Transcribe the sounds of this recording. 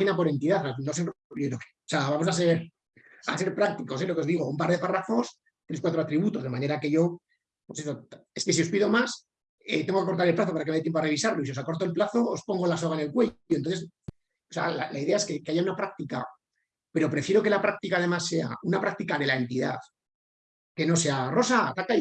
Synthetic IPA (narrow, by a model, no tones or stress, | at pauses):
inapo̞ɾe̞nt̪iðaθanoseooke̥seaβamo̞s̬as̬eɾ | ase̞ɾpɾak̚t̪iko̞s̬elo̞keðiɣ̞o̞umpaɾðe̞parafo̞s | t̪ɾeskwat̪ɾo̞at̪ɾiβut̪o̞zð̞e̞mane̞ɾake̞ʝo̞ | pweseso̞e̞ske̞sio̞spiðo̞mas | ḛt̪eŋɡokeko̞ɾt̪aɾelplaθo̞paɾaket̪jempoareβisaɾlo̞isio̞sako̞ɾt̪̬o̞elplaθo̞ospoŋɡolasoɣaene̞lkweononθes | osea̰la̰laiðe̞ae̞ske̞keaʝaunapɾak̚t̪ika̰ | pe̞ɾo̞pɾe̞fjeɾo̞ke̞lapɾak̚t̪ikað̞e̞masːe̞a̰unapɾak̚t̪ikaðe̞lae̞nt̪iða̰θ | ke̞no̞se̞aro̞sat̪akaj